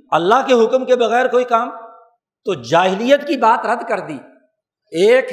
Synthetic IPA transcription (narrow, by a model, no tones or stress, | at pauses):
ɐlːaɦkeɦʊkmkebɐɣɛːɾkoːikaːm | t̪od͡ʒaːɦɪlijət̪kibaːt̪ɾɐd̪kɐɾd̪iː | eːk